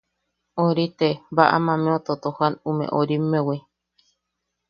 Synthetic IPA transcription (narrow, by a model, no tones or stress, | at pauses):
oɾit̪ebaʔa̰mãmẽot̪ot̪ohanumḛ̃ʔoɾimːewe